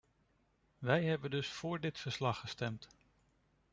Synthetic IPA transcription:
ʋɛjɦɛbəndɵsfʊːɹdɪtfəɹslɑχəstɛmt

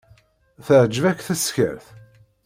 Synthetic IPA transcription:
θəʕd͡ʒəvækθæsçə̰ɾθ

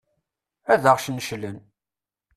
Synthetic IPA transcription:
æðəʁʃnʃlən

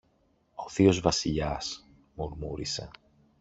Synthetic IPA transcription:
o̞θio̞zvɐsiʎɐs | moɾmuɾise̞

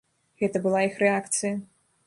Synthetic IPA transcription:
ɣɛt̪ɐbɨlˠaixɾɛakt̪sɨjɐ

